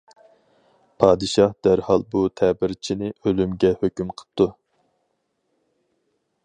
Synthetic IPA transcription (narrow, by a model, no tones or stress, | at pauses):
pʰɑːd̪ɨʃɑhd̪æɾhɑlˠbut̪ʰɛbɪɾt͡ʃʰinɪʔølymɡʲɛhøkʲymqʰə̥p̚t̪ʰu